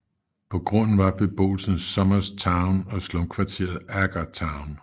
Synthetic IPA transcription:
pʰɒ̽ɡ̥ʁɔ̽n̰n̩ʋɑ̈b̥e̝b̥o̝̰ːl̩snsɒ̽mɐst͡sʰɑ̈ʊnɒ̽slɔmkʰʋɑ̈t͡sʰe̝̰ɐð̩ˠæɡ̥ɐt͡sʰɑ̈ʊn

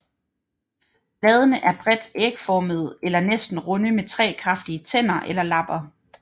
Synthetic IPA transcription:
b̥lɛːð̞ˠənəʔæɐb̥ʁɛd̥eɡ̥əfɒːməð̞̩ˠelɐnesd̥n̩ʁɔnəmet͡sʰʁɛ̰ːkʰʁɑ̈fd̥iət͡sʰen̰ɐʔelɐlɑ̈b̥ɐ

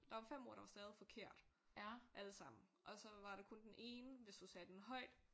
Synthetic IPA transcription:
d̥ɑ̈ʋɑ̈fem̰ɔ̝̰ɐ̰ɾ̥ɑ̈ʋɑsd̥ɛːð̞ˠifɒ̽kʰeɐ̰d̥ʔæləsɑ̈m̰n̩ʔɒ̽sɒ̽ʋɑ̈ɾekʰɔ̽nd̥enʔe̝ːnəʋe̝sd̥usɛːd̥enɦɒ̽ɪ̰d̥

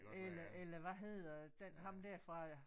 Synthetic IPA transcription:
elɐʔelɐʋæɦe̝ð̰ˠɐd̥enɦɑ̈md̥æɐ̰fʁɑ̈

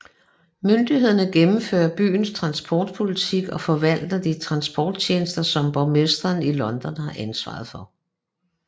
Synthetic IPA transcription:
mønd̥ihe̝ð̞̰ˠɐnəɡ̥emm̩fø̰ːɐb̥y̰ːnst͡sʰʁɑ̈nsb̥ʰɒːd̥̚pʰo̝lit͡sʰiɡ̥ɒ̽fɒ̽ʋæl̰d̥ɐd̥it͡sʰʁɑ̈nsb̥ɒːd̥̚t͡ɕʰe̝ːnəsd̥ɐsɒ̽mb̥ɒʊmesd̥ʁɐnilɒ̽nd̥ɒnhɑ̈ʔænsʋɑ̰̈ðˠfɒ̽

